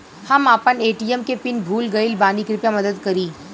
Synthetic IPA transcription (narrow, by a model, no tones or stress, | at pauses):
hɐmaːpəneːʈiːɛmkepɪnbʱuːlɡɐɪlbaːnikɾɪpjamɐd̪əd̪kɐɾiː